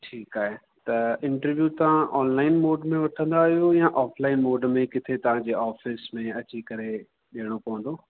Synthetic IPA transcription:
ʈʰiːkaːɦe | t̪ɐɪ̃ɳʈəɾʋjut̪ɐʋ̤ãʔɔːnlaːɪnmoːɖmẽʋɐʈʰə̃nd̪aːɦijojãʔaːflaːɪnmoːɖmẽkɪt̪ʰet̪ɐʋ̤ãd͡ʑeːaːfɪsmẽɐt͡ɕikɐɾe | ɗiɦəɽ̃opɐʋə̃nd̪oː

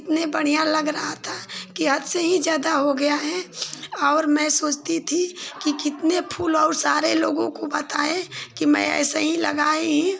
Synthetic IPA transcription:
ɪt̪nebəɽ̤ijãlɐɡɾɐɦat̪ʰakiɦɐd̪seɦid͡ʒjaːd̪aɦoɡɐjaɦɛ̃ɔːɾmɛ̃soːt͡ʃt̪it̪ʰikikɪt̪nepʰuːlɔːɾsaːɾeloːɡõkobət̪aːẽkimɛ̰̃ɛ̰ːsəɦilɐ̰ɡaːeɦɛ̃

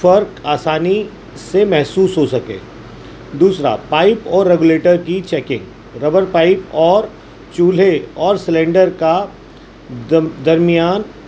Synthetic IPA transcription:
fɐɾkaːsaːni | semɛɦsuːsɦosɐkḛː | d̪uːsɾa̰paːɪpɔːɾːeɡʊleːʈəɾkit͡ʃɛːkɪ̃ŋɡ | ɾɐbəɾpaːɪpɔːɾ | t͡ʃuːleɔːɾsɪlɛ̃ːɳɖəɾka | d̪ɐɾmijaːn

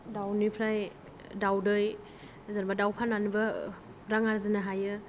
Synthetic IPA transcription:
dawnipʰɾaj | dawdɯj | zanbadawpʰananɯbɯ | ɾaŋaɾzɯnaɦajɯ

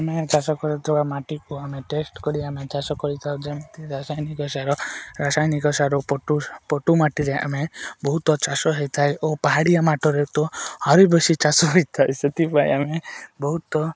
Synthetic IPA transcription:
amet͡ʃasɔkɔɾɔt̪ʰibamaʈikuameʈesʈkɔɾiamet͡ʃasɔkɔɾit̪ʰawd͡ʒemt̪iɾasajnikɔsaɾɔɾasajnikɔsaɾɔpɔʈupɔʈumaʈiɾea̰mebɔɦut̪ɔt͡ʃasɔɦejt̪ʰajʔopaɦaɽijamaʈɔɾet̪ɔhɔɾibesit͡ʃasɔɦejt̪ʰajset̪ipaj̰amebɔɦut̪ɔ

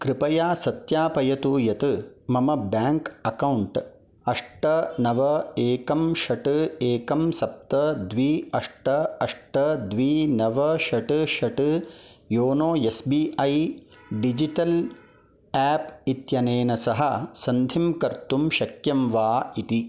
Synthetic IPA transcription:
kɾɪpɐjaːsɐt̪jaːpɐjɐt̪uːjɐt̪ɨmɐmɐbaːŋkɐkɐwɳʈ | ɐʂʈɐnɐʋɐeːkɐmʃɐʈɨeːkɐmsɐp̚t̪ɐd̪ʋiːɐʂʈɐɐʂʈɐd̪ʋiːnɐʋɐʃɐʈɨʃɐʈɨjoːnoːjesbiːʔɐjɖid͡ʒiʈɐl | æːpit̪jɐneːnɐsɐɦɐ̆sɐnd̪ʱimkɐɾt̪umʃɐkjɐmʋaːit̪i

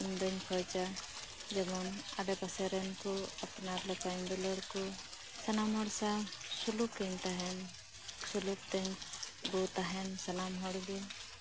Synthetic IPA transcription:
imd̪ɔɲkʰɔjt͡ʃad͡ʒɛbɔna̰ɖɛpasɛɾɛnkɔapnaɾlɔkaɲdɔlɔɾkɔ | sanamɦɔɽsasuluk̚kɛɲt̪aɦɛn | sulup̚t̪ɛɲbɔt̪aɦɛnsanamɦɔɽɡin

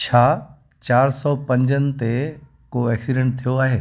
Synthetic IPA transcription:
t͡ɕʰaː | t͡ɕaːɾsɔːpɐ̃ɲd͡ʑənɪ̆t̪e | koɛːksiɖẽɳʈ̚t̪ʰijoaːɦeː

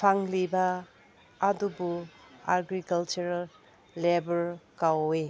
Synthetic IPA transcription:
pʰaŋlibɐː | dubuaɾɡɾikɐlt͡ʃuɾalː | ebɐɾkawe

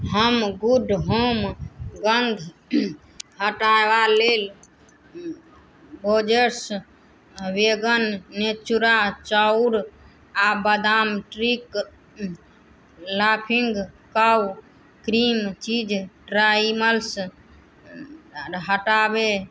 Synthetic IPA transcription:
ɦəmɡuɖʱɦomɡənd̪ʱ | ɦəʈaeʋalel | bod͡ʒəɾs | ʋeɡənːet͡ʃuɾat͡ʃəuɾ | abəd̪amʈɾik | lapʰiŋɡkaw | kɾimt͡ʃid͡ʒʈɾaiməls | ɦəʈabe

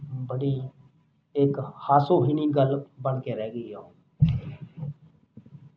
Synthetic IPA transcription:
bəɽiː | ekhaːsoːɦiniːɡəlbəɳkeːɾɛːɡəiːɦoː

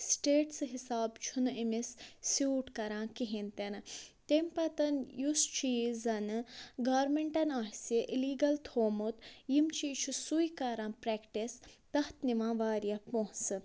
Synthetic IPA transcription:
sʈeːʈsɦisaːbt͡ʃʰunimissjuːʈkɐɾãːkiɦint̪enɨt̪emʲpɐt̪ɐnjust͡ʃʰiːzɐnɨɡaːɾmeɳʈɐnaːɦseʔiliːɡɐlt̪ʰoːmut̪jimt͡ʃʰiːt͡ʃʰusujkɐɾãːpɾɛkʈist̪ɐht̪niʋãːʋaːɾjɐpoɦsɨ

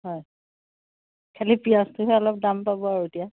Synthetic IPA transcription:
ɦɔj | kʰɛlipiastʊɦɛɔlɔp̚dampabɔaɹutija

